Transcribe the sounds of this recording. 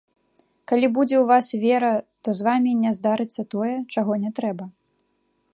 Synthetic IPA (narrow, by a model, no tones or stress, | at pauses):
kalʲibud͡zʲɛwvasvʲɛɾɐt̪ɔzvamʲinʲɛzd̪aɾɨt̪sːɐt̪ɔjɛt͡ʂaɣɔnʲɛt̪ɾɛbɐ